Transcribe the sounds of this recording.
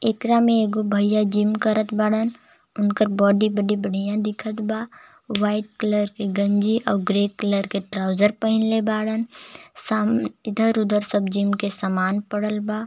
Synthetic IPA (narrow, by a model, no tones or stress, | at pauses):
ekɾamẽeːɡobʱɐjad͡ʒɪmkəɾət̪baɽən | ʊnkəɾbɔːɖibəɖibəɽ̤ijãd̪ɪkʰət̪baː | waːɪʈ̚kələɾkeɡə̃ɲd͡ʒiʔɔːɾɡɾeːkələɾkeʈɾaːʊd͡ʒəɾpəɦɪ̃nlebaːɽənsaːɪd̪ʱəɾʊd̪ʱəɾsəbd͡ʒɪmkesamaːnpəɽəlbaː